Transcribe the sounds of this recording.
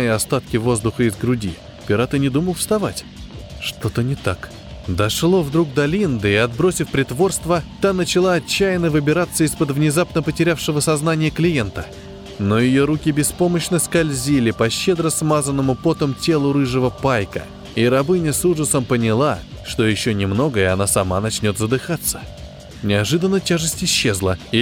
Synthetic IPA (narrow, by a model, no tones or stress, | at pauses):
jəɐst̪at̪̚kʲɪvo̞zd̪ʊxəɪzɡɾʊdʲi | pʲɪɾat̪ɨnʲɪd̪uməlˠfst̪ɐvatʲ | ʂt̪o̞t̪ənʲɪt̪ak | d̪ɐʂlˠo̞vd̪ɾuk̚d̪ɐlʲind̪ɨɪɐd̪bɾo̞sʲɪfpɾʲɪt̪vo̞rst̪vət̪anət͡ɕɪlˠaɐt͡ɕːæjɪnːəvɨbʲɪɾat̪sːəispəd̪vnʲɪzapnəpətʲɪɾʲafʂɨvəsɐznanʲɪjəklʲɪjent̪ə | no̞jɪjo̞ɾukʲɪbʲɪspo̞məɕnəskɐlʲzʲilʲɪpɐɕːed̪ɾəsmazənːəmʊpot̪əmtʲe̞lˠʊɾɨʐɨvəpajkə̰ | iɾɐbɨnʲəsuʐəsəmpənʲɪlˠa | ʂt̪o̞jɪɕːonʲɪmno̞ɡəɪɐnasɐmanɐt͡ɕnʲo̞t̪zəd̪ɨxat̪sːə̥ | nʲɪɐʐɨd̪ənːətʲaʐɨsʲtʲɪɕːezlˠəi